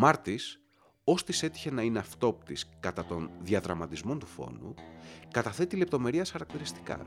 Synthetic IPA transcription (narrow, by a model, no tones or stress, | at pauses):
mɐɾt̪is | o̞st̪ise̞t̪i̥çe̞nɐineɐft̪o̞p̚t̪iskɐt̪ɐt̪o̞nðiɐðɾɐmɐt̪izmo̞nt̪ufo̞̰nukɐt̪ɐθe̞t̪ile̞p̚t̪o̞me̞ɾiɐsxɐɾɐk̚t̪iɾist̪i̥kɐ̰